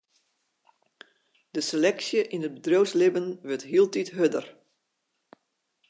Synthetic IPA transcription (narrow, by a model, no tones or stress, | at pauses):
d̥əselɛksjəʔinət̚bədrowslɪbənʋətɦiəlˠtitɦødər